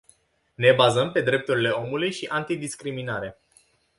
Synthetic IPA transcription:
ne̞bazəmpe̞d̪ɾe̞p̚t̪uɾile̞o̞mulujʃiʔant̪id̪iskɾiminaɾe

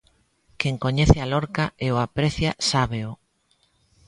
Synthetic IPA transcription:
keŋkoɲeθɪalɔɾkaeoapɾeθjasaβeʊ

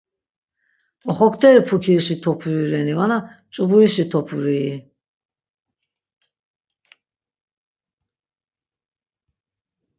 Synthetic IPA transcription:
ɔχɔkʰt̪ʰɛɾipʰukʰiɾʃit̪ʰɔpʰuiɾɛnivana | t͡ʃʼubuiʃit̪ʰɔpʰuɾiː

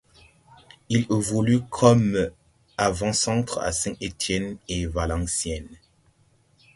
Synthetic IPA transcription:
ilevulykʰɔm | avɑ̃sɑ̃t̪χa̰sɛ̃et̪ʰjɛnevalɑ̃sjɛn

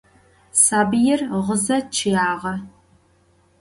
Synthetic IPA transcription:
saːbɨjɪrʁəzɐt͡ʃʰɪjaːʁɐ

